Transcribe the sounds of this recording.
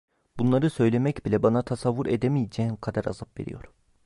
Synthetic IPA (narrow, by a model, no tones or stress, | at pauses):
bunlˠaɾɯsø̞jlʲe̞mɛcbilʲɛbanat̪ʰasavːuɾed̪emijed͡ʒɛːnkʰad̪aɾa̰zap̚ve̞̰ɾḭjo̞ɾ